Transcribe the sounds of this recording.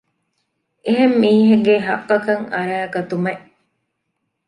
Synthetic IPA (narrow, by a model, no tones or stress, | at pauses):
eɦemːiːɦeŋɡeɦɐʔːɐkɐŋɐ̰ɾæːɡɐt̪umeʔ